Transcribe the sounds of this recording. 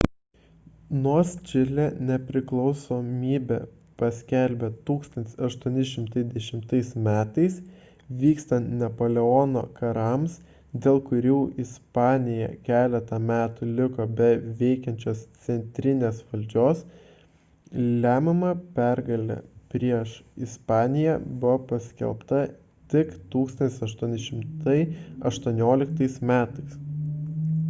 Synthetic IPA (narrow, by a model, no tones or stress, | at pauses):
noːsʲt͡ʃʲɪlʲenʲɛpʲɾʲɪklˠɒʊsoːmʲiːbʲɛ̰ | pɐsʲkʲɛlʲbʲet̪uːkst̪ɐnt̪ʲɪ̥sɐʃt̪uɔnʲɪʃʲɪmt̪ɐɪd̪ʲɛʃʲɪmt̪ɐɪsmʲæːt̪ɐɪs | ʋʲiːkst̪ɐnt̪nʲɛpoːlʲɛɔːno̰ːkɐɾɐms | d̪ʲeːlˠkʊɾʲuːʔɪspɑːnʲɪjɛ̰kʲæːlʲɛt̪ɐmʲæːt̪ʊlʲɪkoːbʲɛʋʲɛɪkʲɛnʲt͡ʃʲoːst̪sʲɛnʲt̪ʲɾʲɪnʲeːsʋɐlʲd͡ʒʲoːs | lʲæːmʲɛmɐpʲæɾɡɐlʲɛ̰pʲɾʲiɛʃɪspɑːnʲɪjɛbʊɐpɐsʲkʲɛ̰lˠpt̪ɐ | t̪ʲɪkt̪uːkst̪ɐnt̪ʲɪsɐʃt̪uɔnʲɪʃʲɪmt̪ɐɪɐʃt̪uɔnʲoːlʲɪkt̪ɐɪsmʲæːt̪ɐɪs